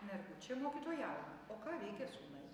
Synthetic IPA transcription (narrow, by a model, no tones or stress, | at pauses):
nʲɛɾɡʊt͡ʃʲɛmoːkʲiːt̪oːjæːʋʲɪmɐoːkɑːʋʲɛɪkʲɛsuːnɐɪ